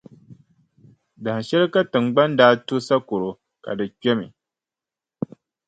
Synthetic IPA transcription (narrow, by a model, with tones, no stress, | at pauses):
da˨hʃɛ˦lɨ˦ka˦tɨ˨ŋ͡mɡ͡ba˦ndaː˦tu˦sa˦ko˨ɾo˨ | ka̰˨dɨ˨t͡ʃɛ˦mḭ˨